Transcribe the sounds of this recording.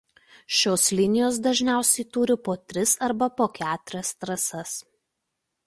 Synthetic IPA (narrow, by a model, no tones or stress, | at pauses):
ʃʲoːslʲɪnʲɪjoːs̬d̪ɐʒʲnʲæˑʊsʲɛɪt̪uːɾʲɪpoːt̪ʲɾʲɪsɐɾbɐpoːkʲæːt̪ʊɾʲɛst̪ɾɐsɐs